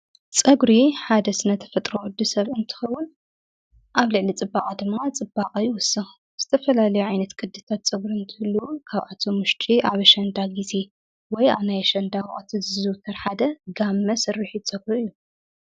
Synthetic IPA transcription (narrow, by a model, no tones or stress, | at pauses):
t͡sʼɐɡɾiħad̪ɐsɨnɐt̪ʰɐ̥fɐt̪ʼɾoʕɨd̪ːusɐβɨnt̪ʰɨ̥xɐwːʊn | ʔaβlɨʕlit͡sʼɨbakʼad̪ɨmːat͡sʼɨbːaqʼɐjɪwʊsɨx | z̥ɨ̥t̪ʰɐfɐlalɐjuʕajnɐt̪kʼɨd̪ːɨt̪ʰat̪̚t͡sʼɐɡɾiɨnt̪ʰɨhɨlːukʰaβʕat̪ʰomʊʃt͡ʃ̪ʼiʔaβɐʃɐnd̪aɡize̞ | wɔja̰βnajʃɐnd̪awʔʼɐt̪ʰizɨzɨwt̪ʰɐɾħad̪ɐɡamːɐsɨrːɨħit͡sʼɐɡɾuɨjːu